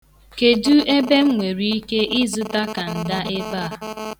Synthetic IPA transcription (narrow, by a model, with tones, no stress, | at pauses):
ke˨du˦e˦be˦m̩˦ŋʷe˨ɾi˦i˦ke˦ʔɪ˦zʊ˦ta˦ka˨n̩˨da˦ʔe˦ba˦˨